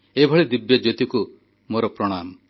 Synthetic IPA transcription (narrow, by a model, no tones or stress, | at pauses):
ebʱɔɭid̪ibjɔd͡ʒot̪iku | moɾɔpɾɔɽ̃am